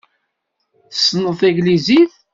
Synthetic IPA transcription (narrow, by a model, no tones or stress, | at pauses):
θsːnəθæɡliziθ